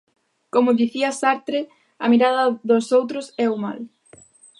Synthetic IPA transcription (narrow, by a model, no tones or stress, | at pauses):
komʊðiθiɐsaɾt̪ɾe | ɐ̰miɾaðɐðosowt̪ɾʊsɛuma̰l